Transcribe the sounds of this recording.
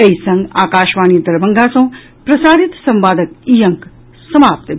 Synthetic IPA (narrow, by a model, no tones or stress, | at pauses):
ɐisɐ̃ŋɡaːkaːʃʋaːniːd̪ɐɾbɐŋɡaːsɐ̃w̃ | pɾɐsaːɾit̪sɐ̃mʋaːd̪əkijɐ̃ŋk | sɐmaːp̚t̪